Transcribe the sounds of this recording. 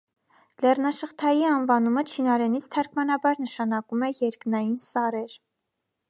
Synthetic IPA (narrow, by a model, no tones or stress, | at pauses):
lɛrnɑʃəχt̪ʰɑjiɑnvɑnumət͡ʃʰinɑɾɛnit͡sʰt̪ʰɑɾkʰmɑnɑbɑɾnəʃɑnɑkumɛjɛɾknɑjinsɑɾɛɾ